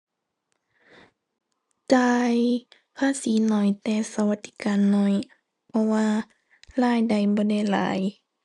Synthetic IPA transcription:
t͡ɕaː˧j | pʰaː˧˥˨siː˨˦nɔ˧˩jt̪ɛː˧sa˧wa˧t̪ʰːiː˧˦kaː˨nːɔ˧˩j | pʰɔ˧waː˧ | laː˧˩˨jda˨˩jbɔː˧˦da˧˩˨jla̰ː˨˦j

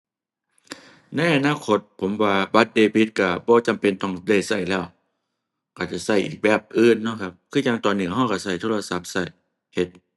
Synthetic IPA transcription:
na˧˥jʔa˧naː˧˨kʰo˧˥t̪̚pʰo˨˦mwaː˧ba˧˥t̪̚deː˧bi˧˦t̪̚ka˧˩bɔː˧˦t͡ɕa˨mpe˧˨nt̪ɔ˧˩ŋda˧˩jsa˧˩jlɛː˧˩w | ka˧˩t͡ɕa˧˩sa˧˩jʔiː˨˩k̚bɛː˧˩p̚ʔɯː˧˥˨nːɔ˧˥˨kʰa˧p̚kʰɯː˧˥˨ɲa˧ŋt̪ɔː˨˩nːɯː˧˩˨ɦɔː˧˩wka˧˩sa˧˩jt̪ʰoː˧˨la˧sa˧˥p̚sa˧˩j | he˧˦t̪̚

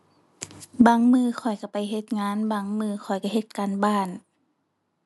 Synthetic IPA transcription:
baː˧ŋmɯː˧xʰɔ˨˩jka˧˩pa˨jɦe˧t̪̚ŋaː˧˥˨nbaː˧ŋmɯː˧xʰɔ˨˩jka˧˩ɦe˧t̪̚kaː˨nbaː˧˩n

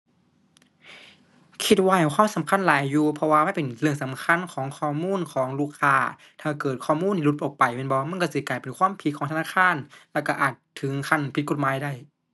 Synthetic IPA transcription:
kʰi˧t̪̚waː˧˩jkʰwaː˧˥˨msa˨˦mkʰa˧˥˨nlaː˨˦jːuː˧˩pʰɔ˧waː˧ma˧˥˨pe˨˩nlɯ˧˩əŋsa˨˦mkʰa˧˥˨nkʰɔː˨˦ŋkʰɔː˧˩muː˧˥˨nkʰɔː˨˦ŋluː˧˥˩kʰaː˧˩ | t̪ʰaː˨˩kɤː˨˩t̪̚kʰɔː˧˩muː˧˥˨nʰiː˧lu˧t̪̚ʔoː˨˩k̚pa˨˩jme˧˥˨bɔː˧ma˧˥˨nkɔ˧˩si˧˦klaː˨˩jpe˨˩nkʰwaː˧˥˨mpʰi˧t̪̚kʰɔː˨˦t̪ʰa˧aː˧˥˨kʰaː˧˥˨nlɛː˧˩wka˧˩ʔaː˨˩t̪ʰːɯ˨˦ŋkʰa˧˥˨npʰi˧˦ko˧t̪̚maː˨˦jda˧˥˩j

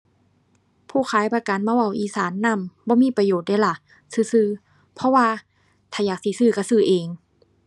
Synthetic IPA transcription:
pʰuː˧˩xʰaː˨˦jpaː˧ka˨˦nmaː˧˥˨ʔa˧˩˨wʔiː˨˦saː˨˦nːa˧˨mbɔː˧˦miː˧˥˨pa˧joː˨˩t̪̚daː˧˩jla˧˩ | sɯː˧˩sɯː˧˩ | pʰɔ˧waː˧˨ | t̪ʰaː˧˩jaː˨˩k̚siː˨˦sɯː˧˩ka˧˩sɯː˧˩ʔeː˨˩ŋ

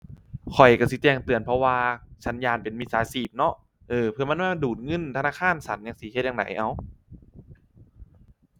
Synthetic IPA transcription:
kʰɔ˨˩jka˧˩si˧˦t͡ɕɛː˧˩ŋt̪ɯ˨˩ənpʰɔ˧waː˧t͡ɕʰa˦˥njaː˧˩˨npe˨˩nmi˧˩saː˨˦siː˨˩p̚nɔ˦˥ʔ | ʔɤː˧˩pʰɯ˧ɐma˧˥˨maː˧˥˩duː˨˩t̪̚ŋɤ˧˥˨nt̪ʰa˧naː˧˥˩kʰaː˧˥˨nsa˨˦nja˧ŋsi˧˦he˧t̪̚ja˧da̰˨˩˦jʔa˧˩w

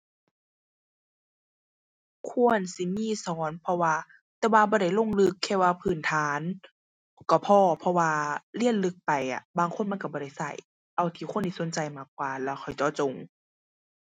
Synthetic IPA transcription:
kʰu˧˨ənsi˧˦miː˧˥˨sɔː˨˦npʰɔ˧waː˧ | t̪ɛː˧waː˧bɔː˧˦da˧˩jlo˧˨ŋlɯ˧kʰːɛː˧˩waː˧pʰɯː˧˩nt̪ʰaː˨˦n | kɔ˧˩pʰɔː˧˩pʰɔ˧waː˧li˧˥ənlɯ˧˦k̚pa˨˩jʔa̰˨˩baː˧˨ŋkʰo˧˥˨nma˧˥˨nka˧˩bɔː˧ɾa˧˩jsa̰˧˩j | ʔa˧˨wt̪ʰiː˧˩xʰu˧˥˨nd̪iː˧˩˨o˨˦nt͡ɕa˨jmaː˧˩k̚ːwaː˧lɛː˧˩wxʰɔ˨˩jt͡ɕɔː˧˦t͡ɕo˨˩ŋ

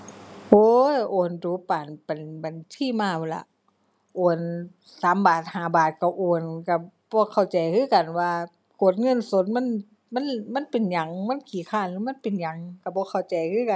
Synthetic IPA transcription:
ʔoː˧˦jʔoː˨˩nduː˨˦paː˨˩npa˨nba˨nt̪ʰiː˧˥˨maː˧˩wo˧˦˩la̰˧˩ | ʔoː˨˩n | saː˨˦mbaː˨˩t̪̚haː˨˩˦baː˨˩t̪̚ka˧˩ʔoː˨˩nka˧˩ | bɔː˧˦kʰa˧˩wt͡ɕa˨˩jkʰɯː˧˥˨ka˨˩nwaː˧ | ko˧˨˩t̪̚ŋɤ˧˥˨nso˧˦t̪̚ma˧˥˨n | ma˧˥˨nma˧˥˨npe˨nɲa˨˩ŋma˧˥˨nkʰiː˨˦kʰaː˧˩˨nlɯː˧˦ma˧˥˨npe˨nɲa˨ŋka˧˩bɔː˧˦kʰa˧˩wt͡ɕa˨jkʰɯː˧˥˨ka˨n

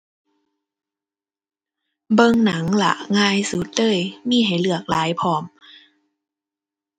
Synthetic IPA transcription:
bɤ˧˨ŋna˨˦ŋla̰˧˩ʔŋaː˧˨jsuː˨˦t̪̚dɤː˧˥˨jmiː˧˥˨ɦa˨˩jlɯ˧˩ɐək̚laː˨˦jpʰɔː˧˩m

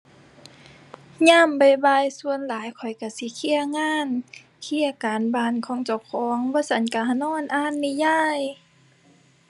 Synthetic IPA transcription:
ɲaː˧˥˨mba˨˩jba˧˩jsu˧˨ənlaː˨˦jkʰɔ˨˩jka˧˩si˧˦kʰi˧˩˨ə˨ŋaː˧˥˨n | kʰi˧˩ə˨kaː˨˦nbaː˧˩nkʰɔː˧˦ŋt͡ɕa˨˧˦wkʰɔː˨˦ŋbɔː˧˦sʰa˧˦nka˧˩ɦa˧nɔː˧˥˨nʔaː˧˩˨nːi˧˩jaː˧˥˩j

